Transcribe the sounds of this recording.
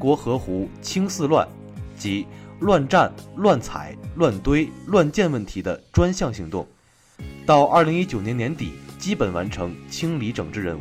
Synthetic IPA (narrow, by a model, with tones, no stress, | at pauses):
kwɔ˧˥xɤ˧˥xu˧˥t͡ɕʰi˥ŋsɹ̩˥˧lwa˥˩n | t͡ɕi˧˥lwa˥˧nʈ͡ʂa˥˧nlwa˥˩nt͡sʰa̰˨˩˦ɪlwa˥˩nt̪we˥ɪlwa˥˧nt͡ɕjɛ˥˧nwə˥˩nt̪ʰi˧˥d̪ə˧ʈ͡ʂwa˥nɕjɑ˥˩ŋɕi˧˥ŋt̪ʊ˥˩ŋ | t̪ɑ˥˧ʊʔɐ˞˥˩li˧˥ŋi˥t͡ɕjʊnɛ˧˥njɛ˧˥nt̪ḭ˨˩˦t͡ɕi˥pə˨˩nwa̰˧˥nʈ͡ʂʰɤ˧˥ŋt͡ɕʰi˥ŋli˧˥ʈ͡ʂɤ˨˩ŋʈ͡ʂɻ̩˥˩ɻə˧˥nu˧˩